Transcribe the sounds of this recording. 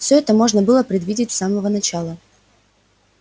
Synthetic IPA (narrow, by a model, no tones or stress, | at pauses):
fsʲɵɛt̪əmo̞ʐnəbɨlˠəpɾʲɪd̪vʲidʲɪtʲsaməvənɐt͡ɕalˠə